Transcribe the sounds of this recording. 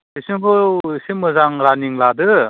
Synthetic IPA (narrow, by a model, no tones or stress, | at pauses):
isiŋpʰɔsimɯzaŋɾaniŋladɯ